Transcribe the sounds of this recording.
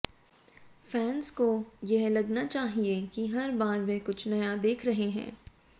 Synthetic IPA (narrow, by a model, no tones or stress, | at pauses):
fɛːnzkojɛɦlɐɡnat͡ʃaːɦiekiɦɐɾbaːɾʋɛkʊt͡ʃʰnɐjad̪eːkʰɾɐɦeɦɛ̰̃ː